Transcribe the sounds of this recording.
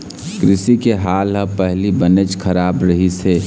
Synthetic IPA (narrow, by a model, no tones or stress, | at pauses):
kɾɪsikeɦaːlɦəpəɦlibənet͡ʃkʰəɾaːbɾəɦise